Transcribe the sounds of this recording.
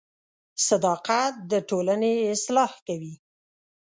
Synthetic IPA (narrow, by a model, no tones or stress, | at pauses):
sad̪ɑqat̪̚d̪əʈolaneɪslɑhkawi